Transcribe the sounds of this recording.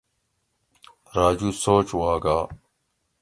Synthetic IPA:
ɾaːd͡ʑuːsoːt͡ɕwaːɡaː

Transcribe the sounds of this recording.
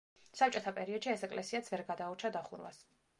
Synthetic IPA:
sap̚t͡ʃʼɔt̪ʰapʼɛɾiɔd̪̥ʃiɛsɛkʼlʔɛsiat̪sʰvɛɾɡad̪aut͡ʃʰad̪aχuɾwa̰s

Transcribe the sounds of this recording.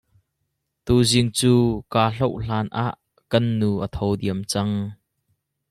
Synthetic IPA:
t̪uːzɪŋt͡suːkaːɬɔwʔɬaːnʔaːʔ | kɐnːuːʔət̪ʰɔwdiəmt͡sɐŋ

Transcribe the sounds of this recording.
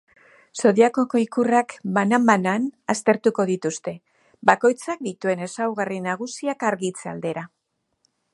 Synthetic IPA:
so̞ðiakokoikurakbanambananast̪e̞ɾt̪uko̞ðit̪ust̪e̞ | bako̞jt͡sak̚d̪it̪ue̞ne̞sawɣarinaɣ̞usiakaɾɣit͡sea̰ld̪e̞ɾa

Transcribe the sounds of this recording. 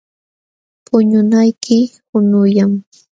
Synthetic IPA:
pʊɲʊnajkʰɪhʊnʊjam

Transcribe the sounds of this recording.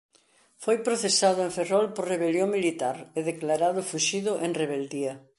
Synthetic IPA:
fojpɾoθesaðʊẽɱferɔlpoɾreβeljoŋmilit̪aɾeðeklaɾaðʊfuʃiðʊʔeŋreβ̞eld̪iɐ

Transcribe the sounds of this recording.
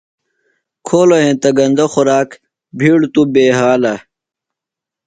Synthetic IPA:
kʰoːloɦẽːt̪ɐɡɐnd̪ɐxuɾaːk | bʱiːɽt̪ubeːɦaːlɐ

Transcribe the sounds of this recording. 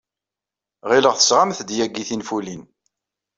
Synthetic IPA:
ʁɪləʁθə̥sʁamθd̪jæɡiθinfulin

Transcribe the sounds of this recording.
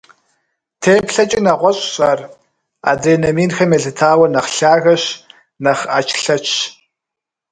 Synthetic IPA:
tʰeːpɬɐt͡ʃʼinɐʁʷɔɕʼɕaːr | a̰ːdeːnɐmiːnxɐmeɮɨtʰaːwɐnɐχɬaːɣɐɕ | nɐχa̰ːt͡ʃʰʼɬɐt͡ʃʰ

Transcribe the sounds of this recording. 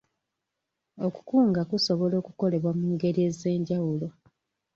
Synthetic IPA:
oku̥kuːŋɡakuso̞βo̞lo̞ːkuko̞le̞βwamuːŋɡe̞ɾie̞ze̞ːɲɟawulo̞

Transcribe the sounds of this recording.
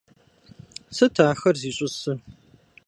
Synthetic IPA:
sɨtʰaːxɐrziːɕʼʊsɨ

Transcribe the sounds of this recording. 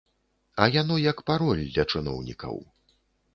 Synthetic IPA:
ɐjanɔjɐkpaɾɔlʲd̪ʲlʲɐt͡ʂɨnɔ̰wnʲḭkɐ̰w

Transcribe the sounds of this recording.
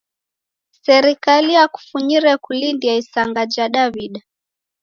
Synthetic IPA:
sɛɾikalijaku̥fuɲiɾɛkulindiaisaŋɡad͡ʒaɗaβiɗa

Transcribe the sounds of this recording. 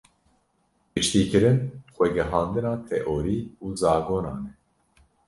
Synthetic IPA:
pɨt͡ʃt̪iːkɨɾɨnxʷɛɡɛɦɑːnd̪ɨnɑːt̪ʰɛʔoːɾiːuːzɑːɡoːnɑ̰ːnɛ

